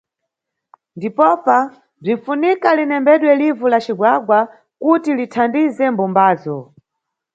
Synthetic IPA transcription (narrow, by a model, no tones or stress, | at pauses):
ndipɔpa | b͡ʐinfunikalinɛmbɛɗwɛlivulat͡ʃiɡwaɡwa | kutilitʰandizɛmbumbaːzɔ